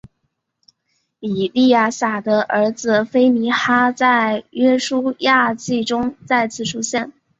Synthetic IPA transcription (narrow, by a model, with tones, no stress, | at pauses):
i˨˩li˥˧ja˥˩sa˨˩d̪ə˦ʔə˞˧˥d͡zɹ̩˧fe˥ɪni˧˥xa˥t͡sa˥˩ɪɥɛ˥ʂu˥ja˥˧t͡ɕi˥˩ʈ͡ʂʊ˥ŋt͡sa˥˧ɪt͡sʰɹ̩˥˩ʈ͡ʂʰu˥ɕjɛ˥˩n